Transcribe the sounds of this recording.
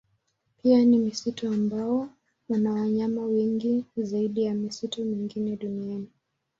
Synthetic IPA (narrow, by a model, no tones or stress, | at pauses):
pianimisituambawɔ | wanawaɲamawɛŋɡizaiɗijamisitumiŋɡinɛɗuniani